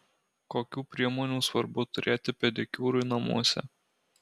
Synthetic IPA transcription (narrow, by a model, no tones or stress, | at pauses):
koːkʲuːpʲɾʲiɛmɔːnʲuːsʋɐɾbʊt̪ʊɾʲʔeːt̪ʲɪpʲɛd̪ʲɛkʲuːɾʊɪnɐmṵɔsʲɛ̰